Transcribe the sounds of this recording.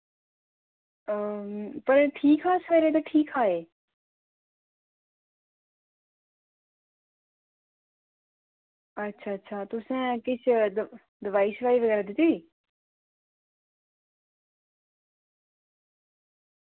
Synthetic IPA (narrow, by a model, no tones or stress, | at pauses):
pəɾʈʰiːkʰaːsʋɛːɾeːt̪aːʈʰiːkaːeː | ətːʃʰaːtːʃʰaːt̪ʊsẽːkɪt͡ʃʰd̪ | d̪ɪʋaːisʋaːliːʋəɡɛːɾaːd̪ɪt̪iiː